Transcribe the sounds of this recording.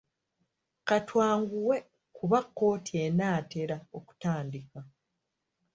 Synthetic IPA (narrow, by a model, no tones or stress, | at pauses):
katwaːŋɡuwe̞ | kuβakːo̞ːtie̞naːte̞ɾaoku̥taːndika